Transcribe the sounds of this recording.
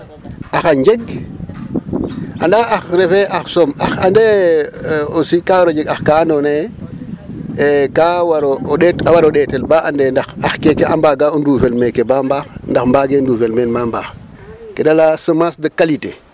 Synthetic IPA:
axaɲd͡ʒeɡ̚ | a̰ndaaxɾefeʔaxsomaxande | osikawaɾod͡ʒeɡaxkandone | kawaɾooɗetawaɾoɗetelbaandendaxaxkekeambaːɡaonduːfelmekebambaxndaxmbaɡenduːfelmenmambaːx | kedalasəmasdəkalite

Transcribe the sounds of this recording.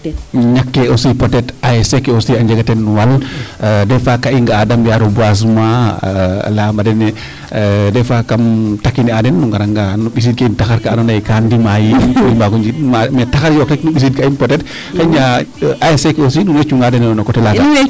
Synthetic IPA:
ɲakːɛosipɔtɛtaɛsɛkɛosiaɲd͡ʒaɡatɛnːwal | dɛfakaiŋɡaːdamjaɾobas̬ma | lamadɛnɛ | dɛfakamtakːiniadɛnːuŋɡaɾaŋɡanuɓis̬id̚kaintaxaɾkaːnanajkandimajinkɔimbaɡuɲd͡ʒimamataxaɾjɔkɾɛknuɓis̬id̚kainpɔtɛt | xaiɲaʔaɛsɛkɛosinunet͡ʃuŋɡadɛnɛɔnɔkɔtɛlaɡa

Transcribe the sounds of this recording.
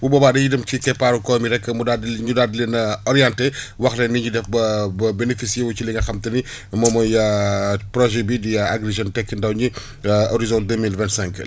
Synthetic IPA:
bubɐbaːdɐjidɐmcikɛpːaɾukɔːmiɾɛkːɐmudadɲudadilenɐɔɾijantɛwɐxlɛnːiɲudɛfbɐbenefisijewut͡ʃiliŋɡɐxɐmtɐni | mɔːmɔjapɾɔʒɛbidijaaɡɾeʒɔntɛkːəndɐwɲi | oɾizɔ̃nt̚dəmilvɛ̃ntsɛ̃ŋk

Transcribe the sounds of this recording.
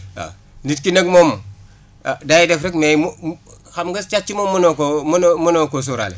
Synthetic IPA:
a̰ | nitkinəɡmomː | dajidefɾekmejm | xamɡəst͡ʃat͡ʃimomːunokomunmunokos̬uɾa̰lḛ

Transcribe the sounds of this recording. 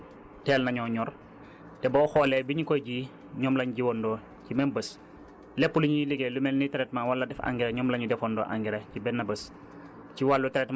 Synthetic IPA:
tɛːlnɐɲɔɲɔr | tɛbɔxɔːlɛbiɲikɔjɟi | ɲɔmlɐɲɟiwɔndɔː | cimɛnbəs | lɛpːuliɲujiliɡɛlumɛlnitɛɾɛtmawɐlːɐdɛfa̰ŋɡɛɾɐɲɔmlɐɲudɛfɔndɔ̰ʔa̰ŋɡiɾɐcibɛnːɐbəs | ciwalːutɛɾɛtm

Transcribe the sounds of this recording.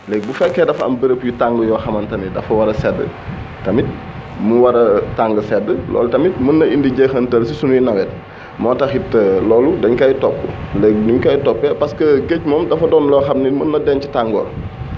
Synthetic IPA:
lɛɡ̚bufɛkːɛːdɐfɐ̰mbəɾəpjutaŋɡəjɔːxɐmɐntɐnidɐfɐwɐɾɐsɛdːə̰ | tɐmit̚ | muwɐɾɐtaŋɡəsɛdːəlɔ̰ːlutɐmit̚mənːɐindiɟexɐntɐlsisunjinɐwɛt̚ | mɔːtɐxitəlɔːludɐɲkɐjtɔpːṵlɛk̚nuɲkɐjtɔpːɛpɐskəɡecmɔːmdɐfɐdɔːnlɔxɐmnimənːɐdɛncitaŋɡɔ̰ːl

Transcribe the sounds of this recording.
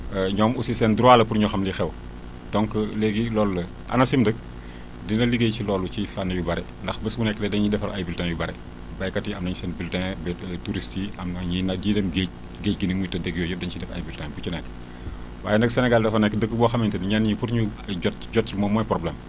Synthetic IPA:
əɲɔːmusisɛnduɾaːlɐpuɾɲuxɐmlixɛw | d̥ɔŋklɛɡilɔːlːɐ | ɐ̰nɐsimdək̚ | dinɐliɡejcilɔːlut͡ʃifanːɐjubɐɾɛ | ndɐxbəsbunɛkːdɛdɛnɲidɛfɐɾɐjbiltãŋjubɐɾɛ | bɐjkɐtiɐmnɐɲisɛnbiltɛ̃bɛtuɾistiɐmnɐɲinɐɟiːdɛmɡec̚ | ɡeːc̚ɡinimujtɐdeɡijɔjudɛnt͡ʃidɛfɐ̰jbiltɛŋbut͡ʃinɛk | wa̰ːjɛnɐksɛnɛɡaldɐfɐnɛkːdəɡəbɔxɐmintɐniɲanipuɾɲuɟɔt̚ɟɔt̚t͡ʃimɔmɔpɾɔblɛm

